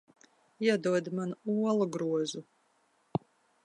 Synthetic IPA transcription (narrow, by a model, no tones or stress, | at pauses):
iɛd̪uɔd̪manuɔlˠuɡɾuɔzu